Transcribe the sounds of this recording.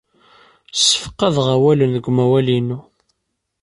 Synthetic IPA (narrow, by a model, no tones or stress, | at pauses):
sə̥fə̥qːɑðʁæwælənðəɡʷmæwælinːu